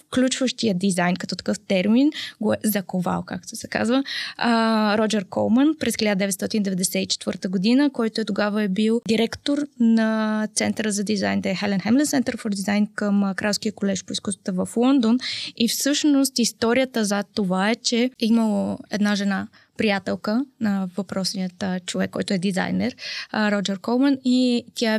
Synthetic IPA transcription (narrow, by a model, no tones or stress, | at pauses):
fklʲut͡ʃvəʃt̪ijəd̪izajnkɐt̪ɔt̪ɐ̥kɤft̪ɛɾminɡoɛzɐkova̰lˠkak̚t̪oɛsɛka̰zvəəɾɔd͡ʒɛɾkɔ̰lˠmənpɾɛsxilʲad̪əd̪ɛvɛt̪st̪ɔt̪ind̪ɛvɛd̪ɛsɛit͡ʃɛ̥t̪vɤɾt̪əɡod̪inəkɔjt̪oɛt̪oɡavəɛbilˠd̪iɾɛkt̪oɾnɐt̪sɛnt̪əɾəzɐd̪izajnd̪ɛɛxɛlɛnxɛmlɛnsɛnt̪əɾfoɾd̪izajnkəmkɾalˠskiəkolɛʃpoiskust̪və̥t̪əvəflˠɔnd̪onifsɤʃnost̪ist̪ɔɾijət̪əzɐt̪ovaɛt͡ʃɛiməlˠoɛd̪naʒɛna | pɾijat̪ɛlˠkənɐvɐpɾɔsnijət̪t͡ʃovɛkːɔjt̪oɛd̪iza̰jnɛɾɾɔd͡ʒɛɾkɔlˠmənit̪ʲjaɛ